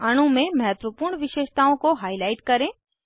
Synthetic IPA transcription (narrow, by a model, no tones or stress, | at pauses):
ɐɽ̃ũmẽmɐɦɛt̪ʋəpʊɾɳʋɪʃeːʃt̪aːõkoɦaːɪlaːɪʈkɐɾẽː